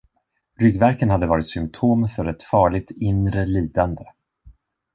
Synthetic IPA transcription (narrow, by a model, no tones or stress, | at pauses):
ɾʏɡvæɾkənhad̪ːəvɑːɾɪt̪sʏmt̪ʰoːmfœɾɛt̪fɑːɭɪɡ̚t̪ɪnɾəliːd̪and̪ə